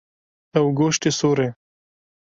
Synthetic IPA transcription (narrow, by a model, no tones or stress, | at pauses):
awɡoʃʈ̪esoɾe